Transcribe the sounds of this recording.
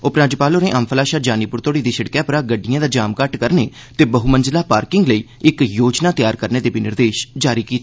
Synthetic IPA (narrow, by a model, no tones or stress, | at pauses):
opɾaːd͡ʒɪpaːloːnẽːʔəmpʰəlaːʃaːd͡ʒaːniːpʊɾt̪oːɽiːd̪iːsəɽkɛːpʊɾaːɡəɖːɪjãːd̪aːd͡ʒaːmkəʈkəɾneː | t̪eːbəɦuːmənd͡ʒlaːpaːɾkɪŋɡləiː | ɪkjoːd͡ʒnãːt̪ɪjaːɾkəɾneːd̪eːbɪnɪɾd̪eːʃd͡ʒaːɾiːkiːt̪ː